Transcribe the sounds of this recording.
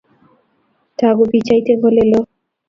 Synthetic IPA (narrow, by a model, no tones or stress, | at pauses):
t̪ʰaɡubit͡ɕajt̪ebolelo